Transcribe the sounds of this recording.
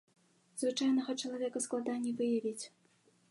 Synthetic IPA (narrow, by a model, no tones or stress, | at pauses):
zvɨt͡ʂajnɐɣɐt͡ʂɐlˠavʲɛkɐsklˠad̪anʲːɛvɨjavʲit͡sʲ